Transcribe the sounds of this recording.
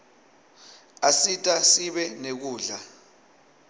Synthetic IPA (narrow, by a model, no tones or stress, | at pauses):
asitʼasiɓɛnek̬uːɮa